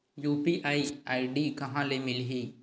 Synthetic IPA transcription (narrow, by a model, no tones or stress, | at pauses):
juːpiʔaːiaːiɖikɐɦãːlemɪlɦiː